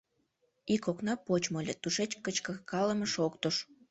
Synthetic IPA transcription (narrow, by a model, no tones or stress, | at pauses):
ikoknɑpot͡ɕmolʲet̪uʃet͡ɕkət͡ɕkəkɑlə̆məʃokt̪oʃ